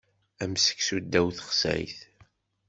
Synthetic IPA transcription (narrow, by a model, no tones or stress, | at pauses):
æmsə̥ksud̪ːæwθəχsæ̰jθ